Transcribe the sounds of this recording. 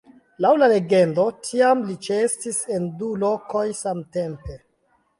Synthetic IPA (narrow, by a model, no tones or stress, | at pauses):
lawlale̞ɡe̞ndo̞tʰiamlit͡ʃestise̞ndulo̞kojsamtempe̞